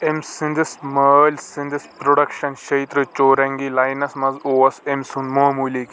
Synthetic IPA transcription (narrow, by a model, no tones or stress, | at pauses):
emsind̪isməlʲsĩnd̪ispɾoɖɐkʃɐnʃɐjt̪ɾɨt͡ʃoːɾɐŋɡilajnɐsmɐzoɐsemsunmoɦmulik